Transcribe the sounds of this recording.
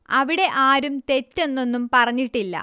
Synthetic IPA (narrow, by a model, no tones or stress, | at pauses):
ɐʋiɽe̞ʔaːɾumt̪e̞tːe̞nːo̞nːumpɐrɐɲːiʈːilːɐ̰